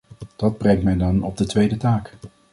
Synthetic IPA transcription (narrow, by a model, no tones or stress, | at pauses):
d̥ɑd̚brɛŋ̚tmɛjdɑnɔb̚dətʋejdətaːk